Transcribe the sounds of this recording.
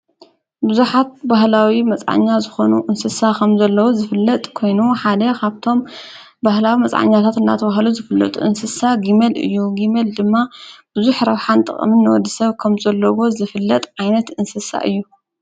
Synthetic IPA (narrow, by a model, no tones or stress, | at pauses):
bɨzuħat̪̚baɦlawimɐt͡sʼʕa̰ɲːazɨxo̞nuʔɨnsɨsakʰɐmzɐlːɐwozɨfɨlːɐt̪ʼkʰo̞jnuħad̪ɐkʰaβt̪ʰo̞m | bahlawimɐt͡sʼʕa̰ɲːat̪ʰat̪ɨnd̪a̰t̪ʰɐβaɦluzɨfɨlːɐ̰t̪ʼṵʔɨnsɨsaɡimelɨ̰jːuɡimeld̪ɨmːab̥ɨzuħɾɐβħant̪ʼɨ̰χʼmɨnːɨwɔd̪ːisɐβkʰɐmzɐlːɐwo̞zɨfɨlːɐt̪ʼʕajnɐt̪ɨnsɨsa̰ʔɨ̰jːu